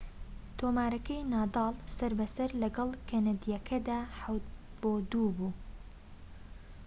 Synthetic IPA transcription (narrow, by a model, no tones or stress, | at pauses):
t̪ʰoːmaːɾɐkɐjnɑːd̪ɑːlsɐɾbɐsɐɾlɐɡɐlkʰɐnɐd̪ijɛkʰɐd̪aːħawt̪b̥oːd̪uːbuː